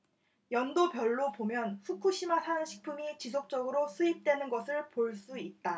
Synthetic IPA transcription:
jʌndopjʌɭːopomjʌnɸʰukʰuɕʰimasʰaɯnɕʰi̥k̚pʰumit͡ɕisʰok̚t͡ɕ͈ʌɡɯɾosʰuip̚t͈we̞nɯnɡʌsʰɯɭpoɭs͈uit̚t͈a

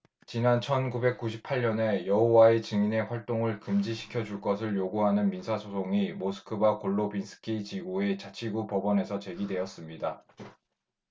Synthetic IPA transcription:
t͡ɕinant͡ɕʰʌnɡube̞k̚k͈uɕʰipʰaʎɲʌne̞jʌɦowaet͡ɕɯŋine̞ɸwaɭt͈oŋɯɭkɯmd͡ʑiɕʰi̥kʰjʌd͡ʑuɭk͈ʌs̬ʰɯɭjoɡuɦanɯnminsʰasʰosʰoŋimosʰɯ̥kʰɯbakoɭːobinsʰɯ̥kʰit͡ɕiɡoe̞t͡ɕat͡ɕʰiɡupʌbʌne̞sʰʌt͡ɕe̞ɡidwe̞ʌs͈ɯmɲida

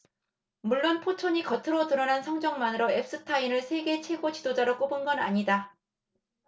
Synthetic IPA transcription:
muɭːonpʰot͡ɕʰoɲikʌtʰɯɾotɯɾʌnansʰʌŋd͡ʑʌŋmanɯɾoe̞p̚s͈ɯtʰainɯɭsʰe̞ɡe̞t͡ɕʰe̞ɡot͡ɕidod͡ʑaɾok͈obunɡʌna̰ɲida

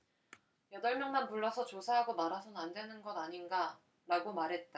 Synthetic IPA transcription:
jʌdʌɭmjʌŋmanpuɭːʌsʰʌt͡ɕosʰaɦaɡomaɾɦasʰʌnɯnandwe̞nɯnɡʌdaɲinɡa | ɾaɡomaɾɦe̞t̚t͈a

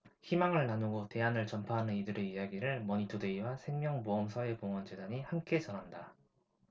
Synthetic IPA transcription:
çimaŋɯɭnanoɡote̞anɯɭt͡ɕʌmpʰaɦanɯnidɯɾe̞ijaɡiɾɯɭmʌɲitʰode̞iwasʰe̞ŋmjʌŋboʌmsʰʌe̞koŋwʌnd͡ʑedaɲihamk͈e̞t͡ɕʌnɦanda

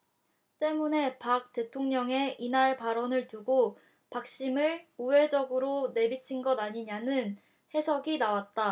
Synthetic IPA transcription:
t͈e̞mune̞pak̚t͈e̞tʰoŋɲʌŋe̞inaɭpaɾʌnɯɭtuɡo | pak̚ɕ͈imɯɭuwe̞d͡ʑʌɡɯɾone̞bit͡ɕʰinɡʌdaɲiɲanɯn | he̞sʰʌɡinawat̚t͈a

